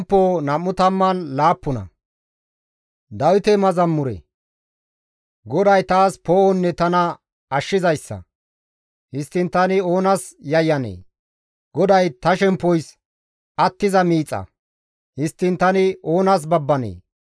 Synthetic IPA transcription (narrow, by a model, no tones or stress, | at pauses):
mpːoːnɐmːʊt̪ɐmːɐnlaːpːʊnɐ̰ | d̪ɐwɪt̪ɛmɐzɐmːʊɾɛ̰ | ɡɔd̪ɐjt̪aːspoːʔɔnːɛt̪ɐnɐ | ɐʃːɪzɐjsːɐ̰ | hɪst̪ːɪnt̪ɐnɪo̞ːnɐsjɐjːɐnḛː | ɡ̥ɔd̪ɐjt̪ɐʃɛmpːɔjs | ʔɐt̪ːɪzɐmiːt͡sʼːɐ̰ | hɪst̪ːɪnt̪ɐnɪo̞ːnɐs̬bɐbːɐnḛː